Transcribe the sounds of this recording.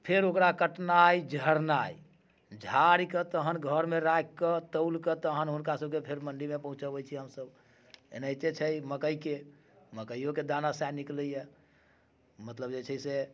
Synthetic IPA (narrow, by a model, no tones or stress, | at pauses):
pʰeɾokɾakəʈnajd͡ʒʱəɾnaj | d͡ʒʱaɾikət̪əɦənɡʱəɾmeɾakkːət̪əlkət̪əɦənɦunkasəb̚kepʰeɾməɳɖimepəɦũt͡ʃəbəjt͡ʃʰiɦəmsəb | ḛnəjt̪et͡ʃʰəjməkəjke | məkəjoked̪anasajnikləije | mət̪ləbd͡ʒet͡ʃʰəse